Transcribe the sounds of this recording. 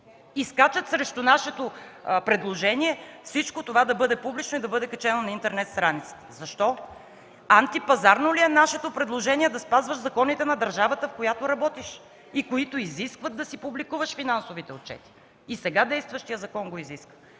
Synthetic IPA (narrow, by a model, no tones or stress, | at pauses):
iskat͡ʃət̪sɾɛʃt̪onaʃɛt̪opɾɛd̪lˠoʒɛniɛfsit͡ʃkot̪ovad̪ɐbɤd̪ɛpublit͡ʃnoʊid̪ɐbɤd̪ɛkɐt͡ʃɛnonɐint̪ɛɾnɛt̪st̪ɾanit̪sə̥t̪ɛ̥zɐʃt̪ɔ | ant̪ipɐzaɾnoliɛnaʃɛt̪opɾɛd̪lˠoʒɛniɛd̪ɐspazvəʃzɐkɔnit̪ɛnɐd̪ɐɾʒavət̪əfkojat̪oɾɐbɔt̪iʃ | ikoit̪oiziskvət̪̚d̪ɐsipublikuvɐʃfinansovit̪ɛot̪̚t͡ʃɛ̰t̪i̥ | isɛɡad̪ɛjst̪vɐʃt̪ijəzɐkɔnɡoiziskvə̥